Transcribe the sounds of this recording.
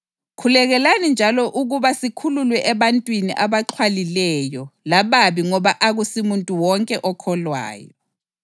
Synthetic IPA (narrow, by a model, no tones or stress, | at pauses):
kʰulɛɣɛlanind͡ʒʱalɔʔuɣuβasikʰululwɛʔɛβantʼwiniʔaβaǁʰwalilɛjɔlaβaβiŋɔβaʔaɣusimuntʼuwɔŋkʼɛʔɔkʰɔlwa̰ːjɔ̰